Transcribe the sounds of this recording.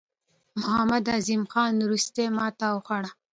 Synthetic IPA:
mʊhamad̪azimxɑnɾust̪emɑt̪awxaɽa

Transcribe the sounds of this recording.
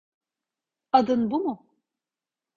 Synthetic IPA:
ad̪ɯnbumʊ

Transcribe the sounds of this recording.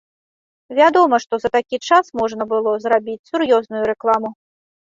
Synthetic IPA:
vʲad̪ɔmɐʂt̪ɔzɐt̪akʲit͡ʂasmɔʐnɐbɨlˠɔzɾabʲit͡sʲsurjɔznujuɾɛklˠamu

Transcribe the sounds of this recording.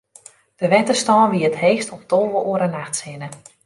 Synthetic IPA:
d̥əʋɛtəstɔːnʋiəətɦeːxstɔp̚dolˠʋəʔoəɾənaxtsɪnə

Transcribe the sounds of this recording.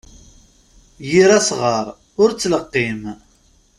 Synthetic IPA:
jiɾæsʁəɾˤ | ʊɾt͡sːləqːim

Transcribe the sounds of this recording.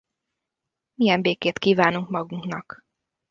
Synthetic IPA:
mijɛmbeːkeːt̪kiːvaːnuŋkmɒɡuŋknɒk

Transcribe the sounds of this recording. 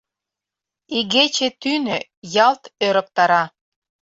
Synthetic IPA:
iɣet͡ɕet̪ynø | jɑlt̪øɾə̆k̚t̪ɑɾɑ

